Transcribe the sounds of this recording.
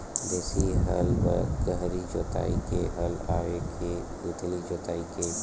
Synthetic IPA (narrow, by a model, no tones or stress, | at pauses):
desiɦəlʋə̰ɡəɦɾid͡ʒoːt̪a̰ːikeɦəlaːekʰeɡut̪lid͡ʒoːt̪aːike